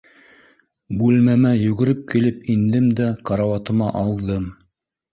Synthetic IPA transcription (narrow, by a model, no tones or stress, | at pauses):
bʉlmæmæjʉɡɘ̆ɾɘp̚kilɘpind̪ɘmd̪æqɑɾɑwɑt̪ɤ̆mɑʔɑlˠðɤm